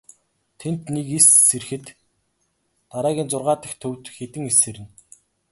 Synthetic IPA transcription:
t̪ʰent̪nekisːerxɘ̆t̪ | aɾaːɣʲiːnt͡sʊrʁaːt̪ə̆xt̪ʰɵwt̪xet̪ɘ̆ŋeseɾɘ̆n

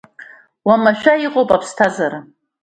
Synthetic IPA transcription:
wamaʃᶣaiqʼowpʼapʰstʰazaɾa

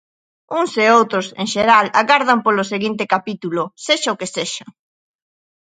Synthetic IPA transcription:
uŋseowt̪ɾʊsḛŋʃeɾalaɣaɾð̞ampolʊseɣint̪ɪkapit̪ulʊseʃaokeseʃɐ

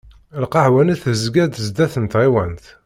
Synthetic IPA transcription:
əlqɑʕwæniθzɡæd̪əzd̪æθənt̪ʁiwænt̪

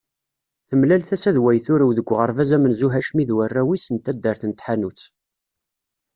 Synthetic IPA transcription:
θəmlælθæsæðwæjθʊɾæwðəɡʷːʁəɾvæzæmənzuɦæʃmiðwərːæwisənt̪æd̪ːəɾθənt̪ħanut͡sː

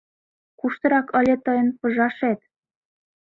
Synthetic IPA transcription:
kuʃt̪ɤ̆ɾɑkə̆lʲĕt̪ɤ̆jɤ̆npɤ̆ʒɑʃet̪

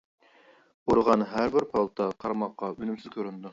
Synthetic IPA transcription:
oɾʁɑnɦæɾbɪɾpʰɑlˠt̪ʰɑqʰɑɾɑmɑqːɑʔynymsɪzkʲʰøɾynd̪u

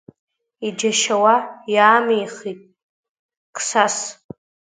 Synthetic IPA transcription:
id͡ʒaʃawajaːmejχitʼ | kʰʼsas

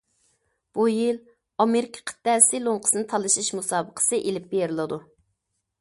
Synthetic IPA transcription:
b̥ujil | ɑmeɾɪkʲʰə̥qʰə̥t̪ːɛsɪlˠoɴqʰə̥sɨnɨt̪ʰɑlˠɨʃiʃmusɑːbəqʰə̥sɨʔelɪp̚beɾlˠɨd̪u

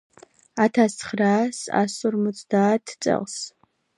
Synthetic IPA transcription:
atʰasχraːsa̰sɔrmɔt͡sʼd̪aːtʰt͡sʼɛ̰ls

